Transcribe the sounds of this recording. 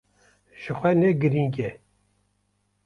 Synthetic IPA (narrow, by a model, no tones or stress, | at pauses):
ʒ̥ɨxʷɛnɛɡɨɾiŋɡʲɛ